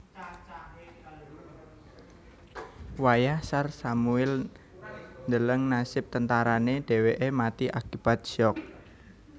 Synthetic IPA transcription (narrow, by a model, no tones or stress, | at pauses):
wajahsarsamuɪl | nd̪ələŋnasɪp̚t̪ənt̪aɾaneɖ̥e̤weʔemat̪iʔakib̥at̪̚ʃɔk̚